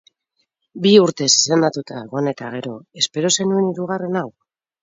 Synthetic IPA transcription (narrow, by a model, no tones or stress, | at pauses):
biuɾt̪e̞sse̞nd̪at̪ut̪aeɣo̞ene̞t̪a̰ɣ̞e̞ɾo̞e̞spe̞ɾo̞se̞nue̞niɾuɣ̞are̞naw